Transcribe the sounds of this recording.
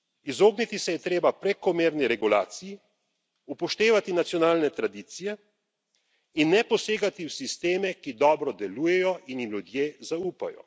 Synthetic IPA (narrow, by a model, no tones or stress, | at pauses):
izoːɡnit̪isɛjɛt̪ɾeːbapɾɛkɔmeːɾniɾɛɡulaːt̪siji | upɔʃt̪eːʋat̪inat̪sjɔnaːlnɛt̪ɾad̪iːt̪sijɛ | inːɛpɔseːɡat̪iwsist̪eːmɛkid̪ɔːbɾɔd̪ɛluːjɛjɔʔinjimlud̪jeːzauːpa̰jɔ̰